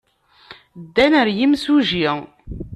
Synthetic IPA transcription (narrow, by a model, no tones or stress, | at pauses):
d̪ːænəɾjimsuʒi